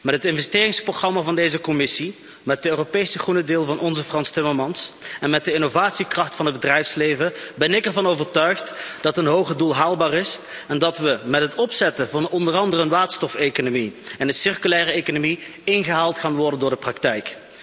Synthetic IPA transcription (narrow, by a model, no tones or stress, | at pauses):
mɛrɦətɪnvɛstɪːrɪŋsproχrɑmavɑndejzəkɔmɪsi | mɛt̚dəøːropejsəχrunədɪːlˠvɑnɔnzəfrɑnstɪməɹmɑnsɛnmɛt̚dəɪnovaːtsikrɑχtfɑnɦəd̚bədrɛjfslejvəbɛnɪkɛɹvɑnowvəɹtœɥχtd̥ɑtənɦowχədulˠɦaːlˠbaːrɪs | ɛndɑtʋəmɛtɦətɔpsɛtəvɑnɔndərɑndərənʋaːtstɔfejkonomiɛnənsɪrkylɛːrəejkonomiɪnχəɦaːlˠtχaːnʋɔɹdəndʊːɹdəprɑktɛjk